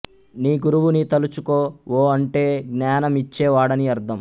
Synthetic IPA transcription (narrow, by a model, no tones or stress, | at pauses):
niːɡuɾuʋunit̪ɐlut͡ʃukoːoːɐɳʈe̞ːɡnaːnɐmit͡ʃːɛːʋaːɽɐniɐɾd̪ʰʱɐm